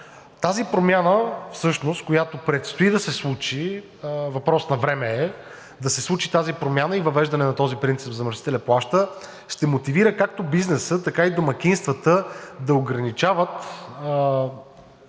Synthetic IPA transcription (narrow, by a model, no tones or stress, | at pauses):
t̪azipɾomʲjanəfsɤʃnost̪̚kojat̪opɾɛt̪st̪oid̪ɐsɛslˠut͡ʃi | vɐpɾɔsnɐvɾɛmɛɛ | d̪ɐsɛslˠut͡ʃit̪azipɾomʲjanəivɐvɛʒd̪ɐnɛnɐt̪ɔzipɾint̪sipvzɐmɾsi̥t̪ɛlʲɐplˠaʃt̪ə | ʃt̪ɛmot̪iviɾəkak̚t̪obiznɛsət̪ɐkaid̪omɐk̟inst̪vət̪əd̪ɐoɡɾɐnit͡ʃavət̪